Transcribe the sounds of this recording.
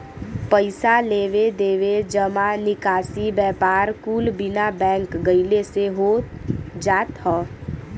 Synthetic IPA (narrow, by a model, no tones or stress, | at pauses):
pəɪsaleːʋed̪eːʋed͡ʒəmanɪkaːsibɛːpaːɾkuːlbɪnabɛ̃ːŋkɡəɪleseɦo | d͡ʒaːt̪hɔː